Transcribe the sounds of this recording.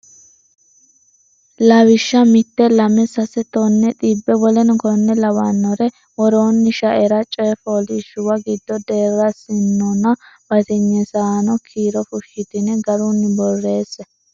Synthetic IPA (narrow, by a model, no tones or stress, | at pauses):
lawɪʃːɐmɪt̪ːɛlɐmɛsɐsɛt̪ɔnːɛt̪ʼiːbːɛbɔlɛnkɔnːɛlɐwanːɔɾɛ | wɔɾoːnːɪʃɐʔɛɾɐt͡ʃʼɔjɛfoːlɪʃʊwɐɡɪd̪ːɔd̪eːrɐsɪnːɔnɐbɐt̪ɛɲːɛsaːnɔkʰiːɾɔfʊʃːɪt̪ɪnɛɡɐɾunːɪbɔrːe̞ːsːɛ